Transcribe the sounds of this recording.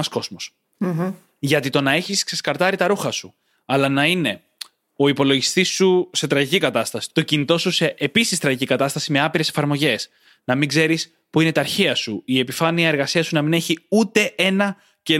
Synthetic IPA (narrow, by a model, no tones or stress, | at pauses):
ɐsko̞zmo̞s | ʝɐt̪it̪o̞nɐe̞çiskseskɐɾt̪ɐɾit̪ɐɾuxɐsu | ɐlɐnɐine̞ | o̞ipo̞lo̞ʝist̪isuse̞t̪ɾɐʝicikɐt̪ɐst̪ɐsi̥t̪o̞cinit̪o̞suse̞ʔepisist̪ɾɐʝicikɐt̪ɐst̪ɐsime̞ɐpiɾe̞se̞fɐɾmo̞ʝe̞s | nɐmiŋɡze̞ɾis | puine̞t̪ɐːɾçiɐsuie̞pifɐniɐe̞ɾɣɐsiɐsunɐmine̞çiut̪e̞e̞nɐ | ce